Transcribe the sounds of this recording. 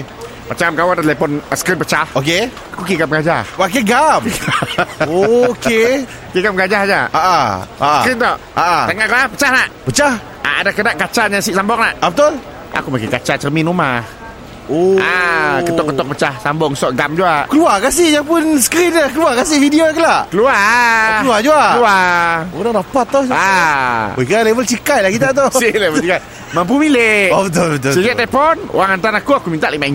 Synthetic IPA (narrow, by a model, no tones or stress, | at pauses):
pət͡ʃamkawandat̪lepɔnsə̥kɾɪnpət͡ʃahoke | akukiɡamɡad͡ʒahmak̬eɡam | oke | kiɡamɡad͡ʒahd͡ʒaaʔaaʔəkɾɪnt̪ɔʔaʔatəŋaʔkalahpə̥t͡ʃahnaʔpət͡ʃah | ʔaa̰dakədaʔkat͡ʃaɲasiʔsambɔk̚naʔabət̪ʊl | a̰kumakekat͡ʃat͡ʃərminumah | oakət̪ɔkːət̪ɔk̚pət͡ʃahsambɔŋsɔʔɡamd͡ʒuaʔkəluakas̬ɪjapʊnsə̥kɾɪnɲakəluakasɪfidioakəlaʔkəluaəluad͡ʒuaəluaoɾaɾapat̪ːɔha | kalevəlt͡ʃikajlahkit̪̬at̪̬osilevət͡ʃika | mamp̬umileobət̪ʊlbət̪ʊsəd͡ʒaʔt̪apɔno̰aŋant̪anakuakumint̪aʔlimai